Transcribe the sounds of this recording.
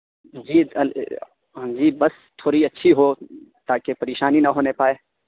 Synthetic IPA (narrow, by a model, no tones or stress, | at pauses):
d͡ʒiːɐ | d͡ʒiːbɐs | t̪ʰoːɾiɐtːʃʰiɦot̪aːkepɐɾeːʃaːninɐɦoːnepaːeː